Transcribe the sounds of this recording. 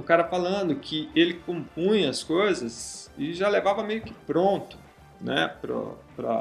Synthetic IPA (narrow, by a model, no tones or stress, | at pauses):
ʊkaɾɐfalɐ̃nd̪ʊkʰɪelɪkõmpũj̃ɐskojzɐsɪʒalevavɐmejʊkɪ̥pɾõnt̪ʊ̥ | nɛ̰pɾɐ̰pɾɐ̰